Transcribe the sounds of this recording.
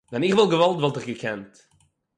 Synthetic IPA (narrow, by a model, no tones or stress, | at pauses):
dɛnɪχvɪlˠɡəvalˠtvɔlˠtɪχɡəkʰɛnt